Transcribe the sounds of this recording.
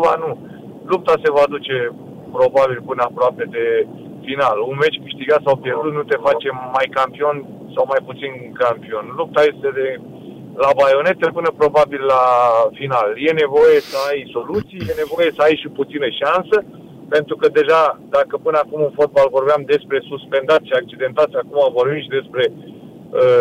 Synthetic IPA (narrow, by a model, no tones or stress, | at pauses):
va̰nu | lup̚t̪ase̞vad̪ut͡ʃe̞ | pɾo̞babilpɨnəapɾoape̞d̪e̞ | finalunme̞t͡ʃʲkɨʃt̪iɡat̪sawpje̞rd̪ut̪̚nut̪e̞fat͡ʃe̞mːajkampio̞n | sawmajput̪sinkampio̞nlup̚t̪aje̞st̪e̞d̪e | labajo̞ne̞t̪epɨnəpɾo̞babilːafinalje̞ne̞vo̞je̞səajso̞lut̪sijjene̞vo̞je̞səajʃiput̪sinəʃansə | pe̞nt̪ɾukəd̪e̞ʒad̪akəpɨnəakumɨnfo̞t̪̚balvo̞rbeamd̪e̞spɾe̞suspe̞nd̪at̪ʃiak̚t͡ʃid̪e̞nt̪at̪sʲakumavo̞rbimʃid̪e̞spɾe̞ | ə